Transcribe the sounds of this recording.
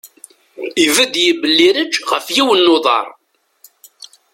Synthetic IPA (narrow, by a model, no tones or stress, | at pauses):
ivæd̪jəbəlːiɾəd͡ʒʁəfjiwənːoðˤɑ̰ɾˤ